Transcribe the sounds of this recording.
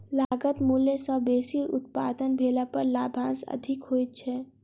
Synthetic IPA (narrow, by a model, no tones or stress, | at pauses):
laːɡət̪muljesəbeːsiɾʊ̰t̪̚pa̰ːd̪ənbʱeːlapəɾlaːbʱãːnsɐ̰d̪ʱɪkɦoːt̪̚t͡ʃʰɛː